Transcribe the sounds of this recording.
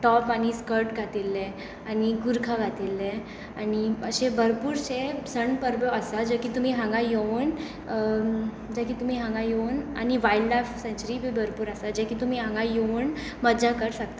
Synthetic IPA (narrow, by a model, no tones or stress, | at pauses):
ʈɔpañiskəɾʈɡʱat̪ilːẽ | aniɡuɾkʰaɡʱat̪ilːẽ | aniəɕẽbʱəɾpuːɾsesəɳpəɾbəəsad͡ʑəkiːt̪um̤iːɦãŋɡajoʋn | d͡ʑəkiːt̪um̤iːɦãŋɡãjona̰niʋaillafsɛ̃nt͡ɕəɾibʱibʱəɾpuːɾasad͡ʑekiːt̪um̤iɦãŋɡajoʋɳ | məd͡zakəɾsak̚t̪a